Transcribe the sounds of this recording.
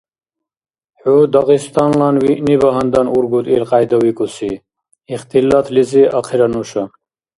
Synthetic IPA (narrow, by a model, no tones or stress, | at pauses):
hud̪ɐɣist̪ɑnlanwinibɐɦɐnd̪ɐnuɾɡud̪ilqaːjd̪ɐwikusi | ixt̪ilat̪ʰliziʔɐqʰiɾɐnuɕɐ